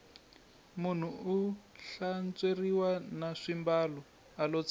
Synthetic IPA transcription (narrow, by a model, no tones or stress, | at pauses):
mun̤uuɬant͡seriwanaʂimbalɔ | alot͡s